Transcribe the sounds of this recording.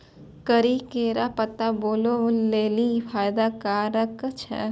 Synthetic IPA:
kəɾikeːɾapɐt̪aboːloleːlifʰaːjd̪akaːɾəkt͡ʃʰɛ̰

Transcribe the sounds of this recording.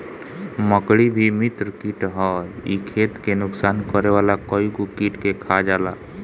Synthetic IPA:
məkɽibʱimit̪ɾkiʈɦɔḭkʰeːt̪kenʊksaːnkəɾeʋalakɔikukiʈkekʰad͡ʒala

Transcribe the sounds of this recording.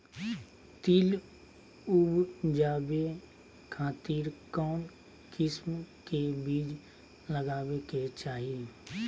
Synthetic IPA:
t̪ɪl | ʊbd͡ʒaːbe | kʰaːt̪iːɾkɔːn | kɪsmkebiːd͡ʒ | ləɡaːweket͡ʃaːɦie

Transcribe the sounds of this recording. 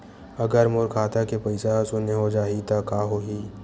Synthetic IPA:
ɐɡəɾmoɾkʰaːt̪akepɐɪsaɦsʊneɦod͡ʒaːit̪akaːɦoːɦi

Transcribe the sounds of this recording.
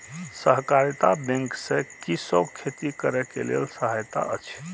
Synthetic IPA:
səɦkaɾt̪abẽŋksẽkisokʰet̪ikəɾɛkḛlḛlsəɦajt̪a̰ʔə̰t͡ʃʰ

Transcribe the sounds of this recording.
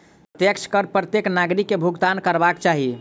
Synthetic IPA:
ət̪jəkt͡ʃʰkəɾpɾət̪jeknaɡɾikːebʱuɡt̪ankəɾbakt͡ʃaɦi

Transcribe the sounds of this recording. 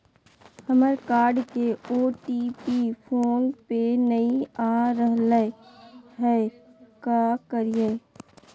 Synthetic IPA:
həməɾkaːɾɖkeoːʈipipʰoːnpenɐĩaːɾəɦlə | ɦɛkaːkəɾijə

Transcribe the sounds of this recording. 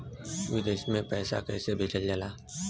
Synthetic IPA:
ʋɪd̪eːʃmẽpɛːsa̰kɛːsebʱeːt͡ʃəld͡ʒəlaː

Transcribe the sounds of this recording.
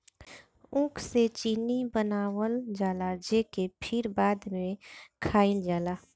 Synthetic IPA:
ʊ̃kʰset͡ʃiːnibənaːwəld͡ʒaːlad͡ʒeːkepʰɪɾbaːd̪mẽkʰaːɪld͡ʒaːlaː

